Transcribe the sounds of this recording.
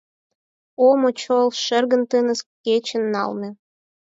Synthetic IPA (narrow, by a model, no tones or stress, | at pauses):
omot͡ɕolˠʃərɣə̆nt̪ɨnə̆skʲet͡ɕə̆nːɑ̰lmĕ